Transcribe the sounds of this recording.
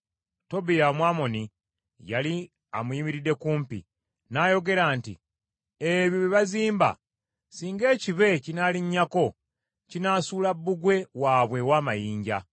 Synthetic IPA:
to̞bijamwaːmo̞ni | jali | a̰muiːmiɾidːe̞kuːmpḭ | naːjo̞ɡe̞ɾaːntḭ | eβjiβiβaziːmba̰ | siːŋɡe̞ːciβe̞cinaːliɲːako̞ | cinaːsuːlabːuɡwe̞waːβwe̞waːmajiːɲɟa̰

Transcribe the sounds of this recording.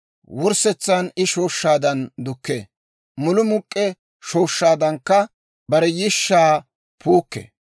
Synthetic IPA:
wɔɾsɛt͡sːanɪʃo̞ːʃːaːd̪ɐnd̪ʊkːḛː | mʊlʊmʊkʼːɛ | ʃoːʃːaːd̪ɐŋkːɐ | bɐɾɛjɪʃːaː | pʰuːkːḛ

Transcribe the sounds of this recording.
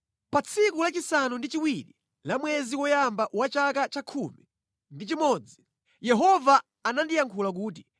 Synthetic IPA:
pat͡sʰikulat͡ʃisanundit͡ʃiwiɾi | lamwɛziwɔjambaʔwat͡ʃakat͡ʃakʰumi | ndit͡ʃimɔːd͡zi | jɛɦɔvaː | nandijaŋkʰulak̬uːt̬i

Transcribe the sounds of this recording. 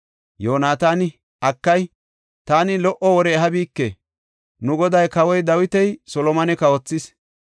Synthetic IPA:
joːnaːt̪aːnɪ | ʔɐkːɐj | t̪aːnɪlɔʔɔwɔɾɛːɦɐbiːkːɛ | nʊɡɔd̪ɐjkɐwɔjd̪ɐwɪt̪ɛjsɔlɔmɐnɛkɐɔt͡sːɪs

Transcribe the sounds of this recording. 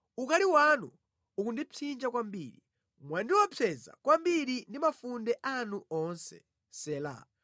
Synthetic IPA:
ukaliwanu | ukundit͡sʰind͡ʒakwambiːɾi | mwandiwɔpʰɛza̰kwambiɾindimafundɛʔanuɔnsɛ̰ | sɛːla̰

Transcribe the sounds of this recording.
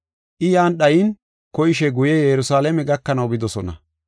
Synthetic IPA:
ʔɪjaːnɗɐjɪn | kɔjɪʃ̬ɛɡʊjɛjɛɾʊsaːlɛmɛɡɐkːɐnɐwɡɪd̪ɔsɔnɐ̰

